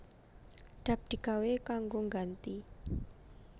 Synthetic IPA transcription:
ɖ̥a̤p̚d̪̥i̤ɡ̥awekaŋɡoŋɡant̪i

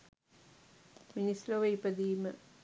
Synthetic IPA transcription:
minisloʋejpɐd̪iːmɨ

